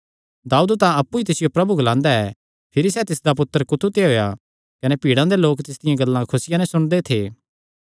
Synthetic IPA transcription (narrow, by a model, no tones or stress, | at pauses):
d̪aːuːd̪t̪ãɐpːuit̪ɪsɪjopɾɐbuɡɐlãːnd̪aɛ | pʰɪɾisɛt̪ɪsd̪apʊt̪ːəɾkʊt̪ʰut̪eɦoːja | kɐnepiːɽãd̪eloːkt̪ɪsd̪ɪjãɡɐlːãkʰʊsɪjãnɛsʊɽ̃d̪et̪ʰeː